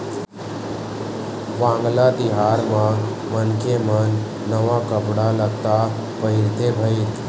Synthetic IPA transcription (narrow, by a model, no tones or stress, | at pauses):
ʋãːŋɡlad̪ɪɦaːɾmã | mənkemənː | əʋakəpɽaləɡ̚t̪a | pəɦɪɾt̪ebʱəiɾ